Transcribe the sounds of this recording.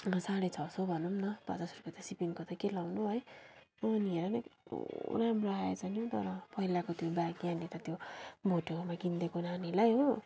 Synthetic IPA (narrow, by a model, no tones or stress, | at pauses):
saɽʌjt͡sʰʌsobʱʌnumnʌpa̰t͡sʌsrupat̪asipiŋkot̪ʌkelawnuɦoj | ʌnieɾʌnʌ | ɾamroaet͡sʰʌnjot̪ʌ̰ɾʌpʌɦilakot̪jobaɡjaniɾʌt̪jobʱoʈomaɡind̪ekonanilajɦo